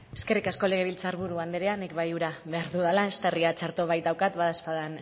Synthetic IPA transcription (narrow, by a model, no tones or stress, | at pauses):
e̞ske̞rikasko̞le̞ɣ̞e̞β̞ilt͡saːɾβuɾuand̪eɾeanikβajuɾaβe̞aɾðuðalae̞st̪ariat͡ʃaɾt̪o̞βajt̪d̪awkat̪βaðaspaðan